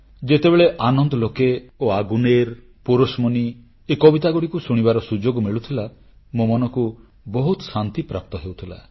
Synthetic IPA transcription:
d͡ʒet̪ebeɭeʔanɔnd̪ɔlokeoaɡuneɾ | puɾosmɔni | ekɔbit̪aɡuɽikusuɽ̃ibaɾɔsud͡ʒoɡɔmiɭut̪ʰila | momɔnɔku | bɔɦut̪ɔ̥sant̪ipɾa̰p̚t̪ɔɦewt̪ʰila̰

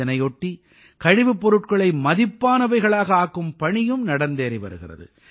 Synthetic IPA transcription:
ɐnɐɪɔʈːi | kɐɻɪʋɯpːɔɾɯʈkɐɭɐɪmɐðɪpːaːnɐʋɐɪɣɐɭaːɣɐaːkːɯmpɐɳɪjɯmnɐɽɐnd̪eːɾɪʋɐ̰ɾɯɣɪ̰rɐ̰ðɯ̰

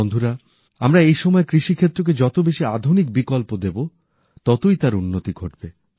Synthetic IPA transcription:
ond̪ʱuɾa | amɾaejʃɔmɔekɾiʃikʰet̪ːɾok̬ed͡ʑɔt̪obeʃiad̪ʱunik̚bikɔlpod̪ebo | t̪ɔt̪ojt̪aɾunːot̪iɡʱoʈ̚be

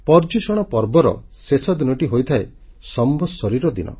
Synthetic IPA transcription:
pɔɾd͡ʒusɔɽ̃ɔpɔɾbɔɾɔ̰sesɔd̪inɔʈiɦojt̪ʰaesɔmbʱɔsɔɾiɾɔd̪inɔ̰

